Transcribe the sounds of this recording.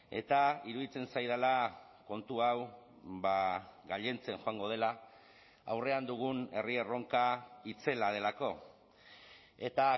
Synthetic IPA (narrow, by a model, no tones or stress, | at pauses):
e̞̰t̪aiɾuðit͡se̞nsajðala | ko̞nt̪uaw | βaɣaʎe̞nt͡se̞ŋxoaŋɡo̞ð̞e̞la | a̰wre̞and̪uɣ̞une̞riero̞ŋkait͡se̞lað̞e̞lako̞ | e̞t̪a